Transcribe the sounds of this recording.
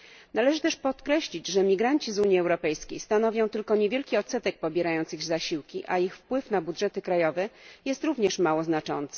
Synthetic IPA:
nalɛʐɘt̪ɛʂpɔt̪kɾɛɕlʲid͡ʑʐɛmʲiɡɾaɲt͡ɕizuɲjiɛwɾɔpɛjskʲejst̪anɔvʲjɔ̃w̃t̪ɘlkɔɲevʲjɛlkʲiɔt̪sɛt̪ɛk̚pɔbʲjɛɾajɔnt̪sɘɣzaɕiwkʲiʔaixfpwɘfnabudʐɛt̪ɘkɾajɔvɛjɛst̪ɾuvɲɛʂmawɔznat͡ʂɔ̰nt̪sɛ̥

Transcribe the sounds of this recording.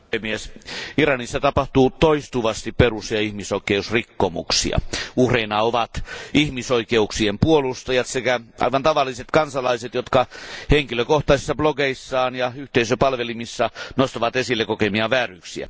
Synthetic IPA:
pemiesirɑnisːɑt̪ɑpɑht̪uːt̪oist̪uʋɑst̪ipperusjɑihmisoikˑeusrikːomṵksḭɑ̰uhreinɑoʋɑt̪ʔihmisoikeuksiempuolust̪ɑjɑt̪sekæʔɑ̰iʋɑnt̪ɑʋɑlːiset̪kɑnsɑlɑiset̪jot̪kɑheŋkiløkoht̪ɑisi̥sːɑbloɡeisːɑːnjɑyht̪eisøpɑlʋelimisːɑnost̪ɑʋɑt̪esilːekokemiɑʋæːryːksiæ̰

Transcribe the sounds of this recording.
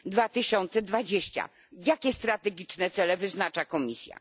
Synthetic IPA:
d̪vat̪ɘɕɔnt̪sɛd̪vad͡ʑeɕt͡ɕa̰ | jakʲɛst̪ɾat̪ɛɡʲit͡ʂnɛt̪sɛlɛvɘznat͡ʂakɔmʲisʲja̰

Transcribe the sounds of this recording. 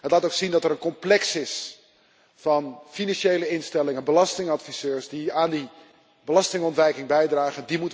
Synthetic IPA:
ɦətlaːtowksindɑtəɾənkɔmplɛksɪs | fɑnfinɑnʃejləɪnstɛlɪŋənbəlɑstɪŋɑtfiz̥øːɹsdiaːndi | bəlɑstɪŋɔntʋɛjkɪŋbɛjdraːχəndimut

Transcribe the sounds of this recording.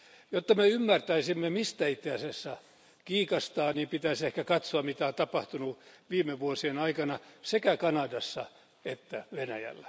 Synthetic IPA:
jot̪ːɑmeymːært̪æisimːemist̪æit̪ːeæsesːɑ | kiːkɑst̪ɑːniːmpit̪æisehkækɑt̪soɑmit̪æont̪ɑpɑht̪unuʋiːmːeʋuosienɑikɑnɑsekækɑnɑdɑsːɑ | et̪ːæʋenæjæ̰lːæ̥

